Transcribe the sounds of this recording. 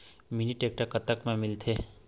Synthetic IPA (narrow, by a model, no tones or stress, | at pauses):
miniʈeːk̚ʈəkət̪əkmẽmɪlt̪ʰeː